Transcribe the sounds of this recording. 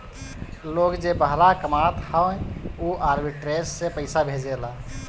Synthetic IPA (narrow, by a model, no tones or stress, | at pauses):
loɡd͡ʒebəɦɾakəmat̪hawoʔaɾbiʈɾesːẽpəɪsabʱed͡ʒela